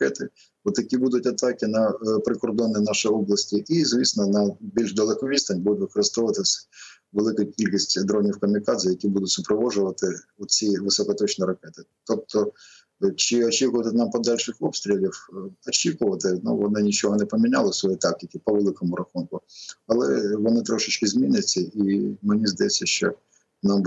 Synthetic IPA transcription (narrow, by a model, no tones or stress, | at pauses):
kɛt̪ɪ | ɔt̪jɐkʲibud̪ʊtʲɐt̪ɑkɪnɐpɾɪkɔrd̪ɔnːɪnɑʃɪɔblˠɐsʲtʲiʔizʋʲisnɔnɐbʲilʲʒd̪ɐlˠɪkɔʋʲist̪ɐnʲbud̪ʊtʲʋɪkɔɾɪst̪ɔʋɐt̪ɪs | ʋelˠɪkʊkʲilʲkʲisʲtʲd̪ɾɔnʲiwkɐmʲɪkɑd̪zɐjɐkʲibud̪ʊtʲsʊpɾɔʋɔʒʊʋɐt̪ɪʊt͡sʲiʋɪsɔkɔt̪ɔt͡ʃnʲiɾɐkɛt̪ɪ̥t̪ɔp̚t̪ɔ | t͡ʃɪɔt͡ʃikʊʋɐt̪ɪnɑmpɔd̪ɑlʲʃɪxɔpst̪ʲɾʲɪlʲiwɔt͡ʃikʊʋɐt̪ɪnṵʋɔnɪnʲit͡ʃɔɦɔnɛpɔmʲinʲalˠɪsʋɔjit̪ɑk̚tʲɪkʲɪpɔʋelˠɪkɔmʊɾɐxunkʊɐlˠɛʋɔnɪt̪ɾɔʃɪt͡ʃkɪzʲmʲinɪt͡sʲːɐimenʲizd̪ɐjɛt͡sʲsʲːɐʃt͡ʃɔ̰ | nɑm